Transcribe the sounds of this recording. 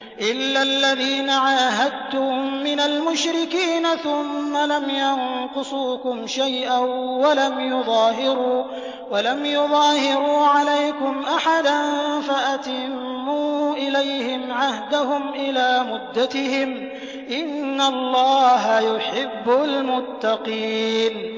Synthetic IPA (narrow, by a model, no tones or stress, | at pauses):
ʔɪlːalːaðiːnaʕaːɦad̪̚t̪ʊmːɪnalmʊʃɾɪkiːnaθʊmːalamjɑnqʊsˤuːkʊmʃajʔawalamjʊðˤɑːɦɪɾuː | walamjʊðˤɑːhɪɾuːʕalajkʊmʔaħad̪anfaʔat̪ɪmːuːʔɪlajhɪmʕahd̪aɦʊmʔɪlaːmʊd̪ːat̪ɪɦɪm | ʔɪnːalˤːɑːɦajʊħɪbːalmʊt̪ːɑqiːn